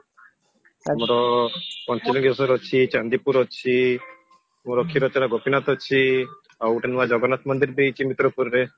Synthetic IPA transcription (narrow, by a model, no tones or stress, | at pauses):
mɔɾɔpɔnt͡ʃiliŋɡesɔɾɔt͡ʃʰit͡ʃand̪ipuɾɔt͡ʃʰi | muɾɔkʰiɾɔt͡ʃɔɾaɡopinat̪ɔt͡ʃʰi | awuʈʰenuad͡ʒɔɡɔnat̪mɔnd̪iɾbit͡ʃʰimit̪ɾopuɾɾe